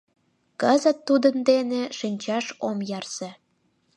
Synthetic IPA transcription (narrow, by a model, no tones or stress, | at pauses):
kəzət̪ːud̪ənd̪eneʃinʲt͡ɕɑʃomjɑrse